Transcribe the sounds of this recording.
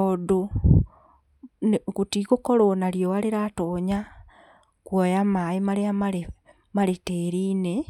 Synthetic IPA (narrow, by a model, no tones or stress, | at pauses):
odo | nekutikokɔɾonaɾjowaɾeɾatoɲa | kwɔjamaemaɾeamae | maɾeteːɾiːne